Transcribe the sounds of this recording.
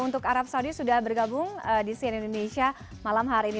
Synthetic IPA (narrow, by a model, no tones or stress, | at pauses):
unt̪ʊkaɾap̚saudisudahbərɡabʊŋədisiɛnindonesia | malamɦaɾiini